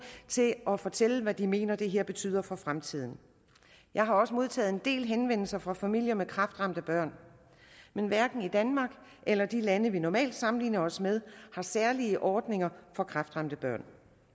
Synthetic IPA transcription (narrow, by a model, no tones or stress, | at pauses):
t͡sʰe̝lɒ̽fɒ̽t͡sʰeləʋæd̥ime̝̰ːnɐd̥e̝ɦeɐ̰b̥e̝t͡sʰy̰ːðˠɐfɒ̽fʁamt͡sʰið̞̰ˠn̩ | jʔɑ̈ɪɦɑ̈ɒ̽səmo̝ð̞ˠt͡sʰɛ̰ːð̩ˠe̝nd̥e̝̰ːlɦenʋen̰l̩sɐfʁɑ̈fæmil̰jɐmekʰʁɑ̈fd̥ʁɑ̈m̰d̥əb̥ɶɐ̰n | menʋæɐɡ̥n̩id̥ænmɑ̈ɡ̥ | ʔelɐd̥ilænəʋinɒmɛ̰ːld̥sɑ̈mn̩liːnɐɒ̽smeð̞ˠhɑ̈sæɐliəʔɒːd̥ne̝ŋɐfɒ̽kʰʁɑfd̥ʁɑ̈m̰d̥əb̥ɶɐ̰n